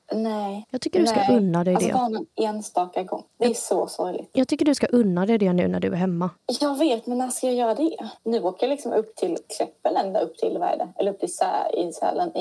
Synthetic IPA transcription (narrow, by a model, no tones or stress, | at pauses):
nɛjɑːɡ̚t̪ʏkːəɖɵskaʔɵnːad̪ɛd̪ɛ̰ɑːɳaeːnst̪ɑːkaɡɔ̰ŋːd̪ɛɛʂɔsɔɾlɪ̰ɡt̪jɑːɡt̪ʰʏkːəɖɵskaʔɵnːad̪ɛɪd̪ɛnʉ̟ːnæɖɵæɾɦɛmːajɑːɡveːt̪mɛnaskajɑːjœːɾad̪ɛnʉ̟ːoːkajalɪksɔmɵpːt̪ʰɪlkʰɾɛpːənɛnd̪aɵpːt̪ʰɪ̰lvæ̰ːɖ̪əɛlːəɾɵpt̪ʰɪlsɛ̰ɪ̰shɛ̰lːən